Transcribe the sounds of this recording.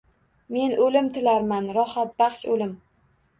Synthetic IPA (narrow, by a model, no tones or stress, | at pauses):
me̞nʔɵlɪmt̪ʰɪlaɾmanɾɒhat̪̚bɑχʃolɪm